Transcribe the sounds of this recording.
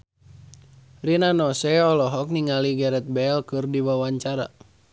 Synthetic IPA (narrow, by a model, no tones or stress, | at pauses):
rinanɔsɛɔlɔɦɔk̚niŋaliɡɛɾɛt̪̚bɛlkɨrdiwawaɲt͡ʃaɾa̰